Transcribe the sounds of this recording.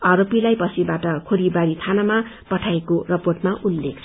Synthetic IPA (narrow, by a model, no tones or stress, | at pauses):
ʌɾopilajpʌsʰibaʈʌkʰoɾibaɾit̪ʰanamapʌʈʰaekorʌporʈmaʔulːek̚t͡sʰ